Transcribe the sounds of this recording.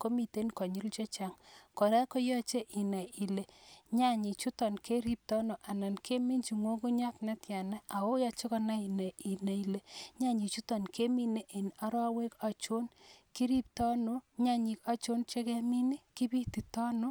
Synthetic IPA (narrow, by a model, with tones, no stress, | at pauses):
ko˦mi˨te˦nkɔ˨ɲu˦lt͡ʃe˦t͡ʃa˦ŋkɔ˨ɾa˦ko˦jɔ˦t͡ʃe˦ʔi˨na˨ʔi˨le˨ɲa˦˨ɲi˨t͡ʃu˦tɔ˨nkʰe˦ɾi˦p̚tɔ˦no˨ʔa˨na˨nkʰe˦mi˦nt͡ʃi˨ŋo˦ku˦ɲa˦kna˦tja˨na˦ʔa˨wo˦jɔ˨t͡ʃe˦kɔ˦na˦i˨na˨i˨na˨i˨le˦ɲa˦ɲi˨t͡ʃu˦tɔ˨nke˦mi˦ne˦ʔe˨na˦ɾa˦we˦ka˨t͡ʃo˦nki˦ɾi˦p̚tɔ˦no˦ɲa˦ɲi˨ka˦t͡ʃo˦nt͡ʃe˦kɛ˦mi˦ni˦ki˦pi˦ti˨tɔ˦no˦